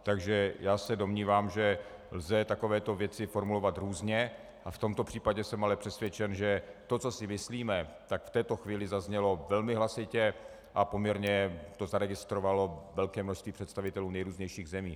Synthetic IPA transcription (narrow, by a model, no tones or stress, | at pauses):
t̪aɡʒɛjaːsɛdomɲiːvaːmʒɛ | lzɛt̪ako̞vɛːt̪o̞vjɛt͡sɪfo̞ɾmulo̞vat̪ɾuːzɲɛ | ʔaft̪o̞mt̪o̞pr̝̥iːpaɟɛsɛmalɛpr̝̥ɛsvjɛt͡ʃɛnʒɛt̪o̞t͡so̞sɪmɪsliːmɛt̪akft̪ɛːt̪o̞xviːlɪzazɲɛlo̞vɛlmɪɦlasɪcɛ | ʔapo̞mɲɛɾɲɛt̪o̞zaɾɛɡɪst̪ɾovalo̞vɛlkɛːmnoʃst̪viːpr̥ɛt̪st̪avɪt̪ɛluːnɛjɾuːzɲɛjʃiːɣzɛmiː